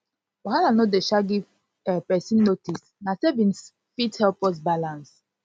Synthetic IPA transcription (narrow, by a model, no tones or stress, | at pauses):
waɦananodeʃaɡiv | ɛpɛsĩnːotis | nasevĩns | fithɛlpɔs̬balãns